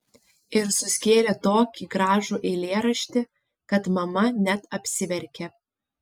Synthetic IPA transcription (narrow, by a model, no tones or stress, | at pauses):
ɪɾsʊsʲkʲeːlʲeːt̪oːkʲiːɡɾɑːʒuːʔɛɪlʲeːɾɐʃʲt̪ʲɪ | kɐt̪mɐmɐnʲɛt̪ɐpʲsʲɪʋʲɛɾʲkʲe